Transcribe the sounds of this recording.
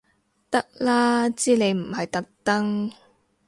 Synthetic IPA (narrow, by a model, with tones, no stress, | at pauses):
t̪ɐ˥k̚laː˥t͡siː˥le˨˧jm̩˨˩hɐ˨jt̪ɐ˥k̚t̪ɐ˥ŋ